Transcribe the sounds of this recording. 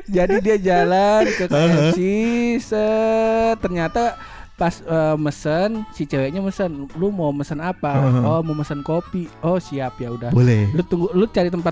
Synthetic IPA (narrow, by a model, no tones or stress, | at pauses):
d͡ʒadidiad͡ʒalankəkasisə | t̪ərɲat̪a | pasəːməsənsit͡ʃəwɛʔɲaməsənlumoməsənapaɔmoməsənkopiohsiap̚jaudabolɛlut̪uŋɡulut͡ʃaɾit̪əmp̬at̪